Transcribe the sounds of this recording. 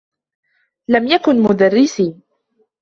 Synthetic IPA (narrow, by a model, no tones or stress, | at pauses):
lamjakʊnmʊd̪arːɪsiː